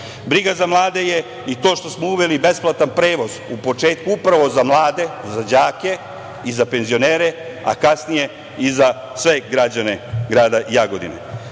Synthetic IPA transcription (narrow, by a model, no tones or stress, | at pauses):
bɾiɡazamlˠaːd̪e̞je | it̪oːʃt̪o̞smouʋe̞libe̞splˠat̪anpɾe̞ːʋo̞zupo̞t͡ʃe̞ːt̪kuupɾaʋo̞zamlˠaːd̪e̞zad͡ʑaːke̞ | izape̞nzio̞neːɾe | a̰kasnije̞ | iza | sʋe̞ɡɾad͡ʑane̞ɡɾaːd̪aʔijaɡo̞d̪ḭnḛ